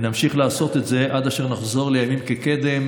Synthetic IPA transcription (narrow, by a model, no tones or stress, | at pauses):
namʃiχlaːso̞t̪etze̞ʔad̪aʃeʁnaχzo̞ʁle̞jamimkeked̪e̞m